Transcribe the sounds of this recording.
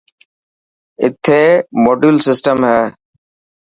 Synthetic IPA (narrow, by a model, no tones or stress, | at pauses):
ɪ̰t̪ʰeːmoːɖuːlsɪsʈəmɦɛː